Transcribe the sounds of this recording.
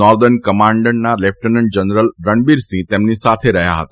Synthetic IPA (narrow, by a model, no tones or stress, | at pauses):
ɔɾd̪əɾnkəmãɳɖənnalep̚ʰʈənəɳd͡ʒənɾəlɾəɳbiɾsĩt̪emnisat̪ʰeɾəɦja̰ɦət̪a